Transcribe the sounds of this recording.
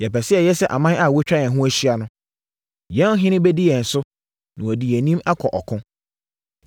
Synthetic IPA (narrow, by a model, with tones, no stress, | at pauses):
jɛ˨pɛ˨sɪ˦ɛ˨jɛ˦sɛ˦ʔa̰˨mã˦a˦˨wɔ˦t͡ɕᶣɾa˦jɛ̃˨ɦʊ̃˦æ˦ɕi˦a˦nʊ̃˦ | jɛ̃˦n˦ɦɪ̃˦nɪ̃˦bɛ˦di˦jɛ̃˨n̩˨sʊ˦ | nã˨ɔ˨di˨jɛ˨nĩ˦ma˦kʰɔ˨ʔɔ˨kʰʊ̃˦